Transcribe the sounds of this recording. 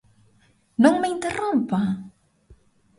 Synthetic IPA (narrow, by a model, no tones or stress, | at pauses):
nõŋmeĩnt̪erõmpa